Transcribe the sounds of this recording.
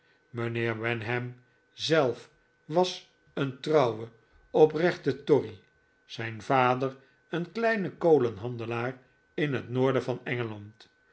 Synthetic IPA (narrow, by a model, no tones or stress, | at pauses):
mənɪːʁʋɛnɦɛm | zɛlˠf | ʋɑs | əntrɑwwə | ɔprɛχtətɔri | z̥ɛjnvaːdər | ənklɛjnəkowlənɦɑndəlaːr | ɪnɦətnoːɹdəvɑnɛŋəlɑnt